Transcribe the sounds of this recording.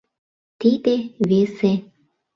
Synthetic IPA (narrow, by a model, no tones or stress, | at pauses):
t̪id̪eβese